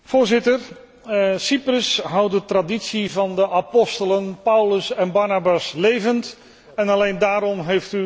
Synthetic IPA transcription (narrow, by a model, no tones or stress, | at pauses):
v̥ʊːɹzɪtər | siprəsɦawt̚dətraditsivɑndəʔapɔstələnpawləsɛnbaɹnabaslejvənt | ɛnalejndaːɾɔmɦejfty